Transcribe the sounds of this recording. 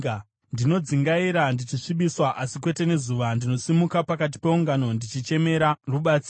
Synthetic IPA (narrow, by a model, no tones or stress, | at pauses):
ndino̞d͡ziŋɡaiɾandit͡ʃiʂiɓiswaʔasikwe̞te̞ne̞zuʋandino̞simukapakat̬i̥pe̞uŋɡano̞ndit͡ʃit͡ʃe̞me̞ɾaruɓat͡si